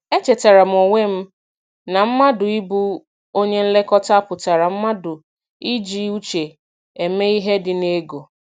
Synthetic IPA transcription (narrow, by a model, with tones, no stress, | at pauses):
e˦t͡ʃe˨ta˨ɾa˨m̩˨o˨ŋʷe˦m̩˦ | na˨m̩˦ma˦dʊ˨i˦bu˦ | o˦ɲe˦n̩˦le˦kɔ˦ta˦pʊ˨ta˨ɾa˨m̩˦ma˦dʊ˨ | i˦d͡ʒi˦u˦t͡ʃe˨ | e˨me˦i˦ɦe˦dɪ˨ne˦ɡo˨